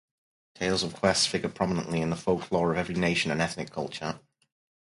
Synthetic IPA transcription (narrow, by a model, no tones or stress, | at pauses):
tʰeɪlˠzəv̥kʰw̥ɛstsfɪɡəpʰɹ̥ɒmɪnə̰̃nʔliɪ̃nðəfoʊkʰl̥ɔːɹəvɛvɹineɪʃə̃nə̃nɛθnɪkʰʌlˠt͡ʃə